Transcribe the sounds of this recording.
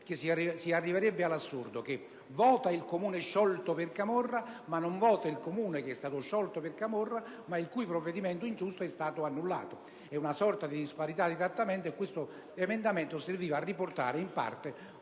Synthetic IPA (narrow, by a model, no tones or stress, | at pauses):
kessiarːiveɾɛbːɪalasːurd̪ok̟e | vɔːt̪ailkomuːnɪʃːɔlt̪opɪrkamorːamanːoɱvɔːt̪ailkomuːnekeɛst̪aːt̪ʊʃːɔlt̪opɪrkamorːa | mailkujpɾovːed̪imɛnt̪ʊind͡ʒust̪oɛst̪aːt̪ʊanːulːa̰ːt̪o | ɛunasɔrt̪ad̪id̪ispaɾit̪ad̪izat̪ːamɛnt̪oekːwɪst̪o | emɛnd̪amɛnt̪oserviːvaːrːiport̪a̰ːɾɪimpa̰rt̪e